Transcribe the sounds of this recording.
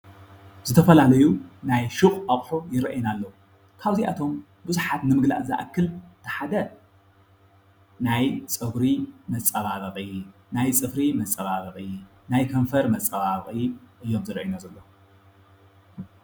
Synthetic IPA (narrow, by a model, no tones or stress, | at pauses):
z̥ɨt̪ʰɐfɐlalɐjunajʃɨχʼaχʼħujɪɾɐ̰ʔjnalːɐw | kʰaβziʔa̰t̪ʰo̞m | buzuħat̪nɨmɨɡla̰ʔza̰ʔakʰːɨlt̪ʰɐ̥ħad̪ɐ | najt͡sʼɐɡɾimɐt͡sʼːɐβaβɐχʼi | najt͡sʼɨfɾimɐt͡sʼːɐβaβɐχʼi | najkʰɐɱfɐɾmɐt͡sʼːɐβaβχʼiʔɨjːo̞mzɨɾɐ̰ʔjnazɐlːo